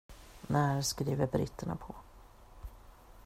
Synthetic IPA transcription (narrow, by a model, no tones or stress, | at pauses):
næːɾskɾiːvəɾbɾɪ̰t̪ʰːəɳa̰pʰɔ